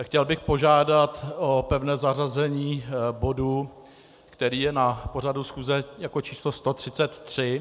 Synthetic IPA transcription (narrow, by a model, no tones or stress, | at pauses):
xcɛlbɪxpo̞ʒaːdat̪ʔopɛvnɛːzarazɛɲiːbo̞du | kt̪ɛɾiːjɛnapo̞radusxuːzɛjako̞t͡ʃiːslost̪o̞t̪r̝̥ɪt͡sɛt̪ːr̝̥ɪ